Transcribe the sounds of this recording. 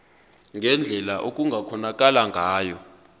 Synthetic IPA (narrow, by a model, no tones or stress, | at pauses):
ŋɡʱɛnd͡ɮʱɛlaʔok̬ʼuŋɡʱakʰɔnak̬ʼalaŋʱaːjɔ